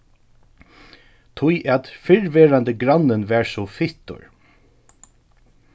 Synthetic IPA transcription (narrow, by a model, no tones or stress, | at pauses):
t̪ʰʊjʔɛt̪fɪɹʋɛːɾant̪əɡɾanːɪnʋɛːɹsɔfɪht̪ʊ̰ɹ